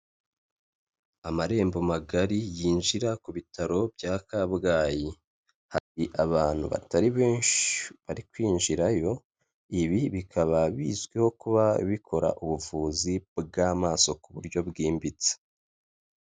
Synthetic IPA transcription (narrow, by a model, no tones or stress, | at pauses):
amaɾe̞ːmbo̞maɡaɾijiːnʒiɾakuβitʰaɾo̞bɟaːkabɡaːji | haɾiʔaβaːn̥hṵβa̰taɾiβe̞ːnʃiβaɾikwiːnʒiɾajo̞ | iβiβikʰaβaβḭːzɡweho̞kuβaβikʰo̞ɾa̰ʔuβuvuːzibɡaːmaːso̞kuβuɾɟo̞bɡiːmbit͡se̥